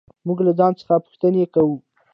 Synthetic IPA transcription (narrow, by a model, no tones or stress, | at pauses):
muɡlazɑnt͡sə̥xapʊ̥xt̪ənekawu